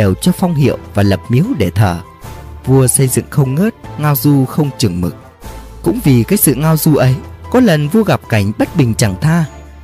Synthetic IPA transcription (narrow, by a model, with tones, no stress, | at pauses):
e˧˨˩wt͡ɕɔ˧fɔ˧wŋ͡mɦḭ˧˨əwvaː˨˩lə˨˩p̚mi˨˦əwɗe˧˩t̪ʰəː˧˩ | vu˧əsə˧jzɨ̰˧˨ŋxə˧wŋ͡mŋəː˦˥t̚ŋaː˧wzu˧xə˧wŋ͡mt͡ɕɨ˨˩əŋmɨ̰˨˩k̚ | kʊ̰˧˥ŋ͡mvi˨˩kaː˨˦jsɨ̰˧˨ŋaː˧wzu˧ʔə˨˦jkɔ˨˦lə˨˩nvu˧əɣa˨˩p̚ka˧˩jŋ̟ɓə˦˥t̚ɓï˨˩ŋ̟t͡ɕa˧˩ŋt̪ʰaː˧